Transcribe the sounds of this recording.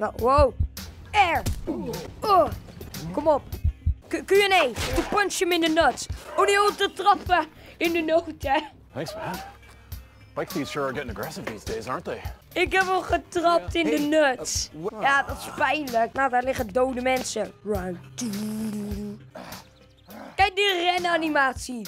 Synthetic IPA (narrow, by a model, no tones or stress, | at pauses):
nowow | ɛɹ | o | kɔmɔp̚kkyɛnejtəpʊnʃəmɪndənətsɔdɪɔtətrɑpə | ɪndənowtɛ | θæ̃ŋksfəæn | b̥aɪk̚ti̥ʃʊɹaɡɛɾɪ̃ŋəɡɹɛsɪvðḭzdeɪzɑ̰ɹnðeɪ | ɪkɛpɔlˠχətrɑp̚tɪndənœsjaːdɑtɪ̥spɛjnləknawdaːɹlɪχədowdəmɛnsəɹaŋti | kɛjk̚dərɛnanimaːtsi